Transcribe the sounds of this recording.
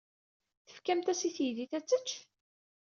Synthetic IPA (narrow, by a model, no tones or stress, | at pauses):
θə̥fkæmt̪æsiθjiðiθæt͡sːət͡ʃː